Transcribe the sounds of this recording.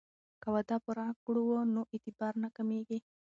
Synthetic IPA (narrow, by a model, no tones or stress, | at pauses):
kawad̪ɑpʊɾɑkuɽuwonoʔɪt̪ɪbɑɾnakameɡi